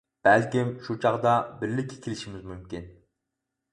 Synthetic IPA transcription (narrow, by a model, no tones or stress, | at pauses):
b̥ælkʲimʃut͡ʃʰɑʁd̪ɑbɪɾlɪkʲʰːi̥kʲʰilɪʃimɪzmymkʲin